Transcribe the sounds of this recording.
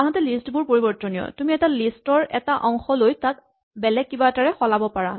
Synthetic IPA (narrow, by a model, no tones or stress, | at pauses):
aɦɔtɛlistbʊɹpoɹibɔɹtɔniɔ̰tumiɛtalistɔɹɛ̰taʔɔŋxɔlojtat̚ | bɛlɛkːibataɹɛxɔlabɔpaɹa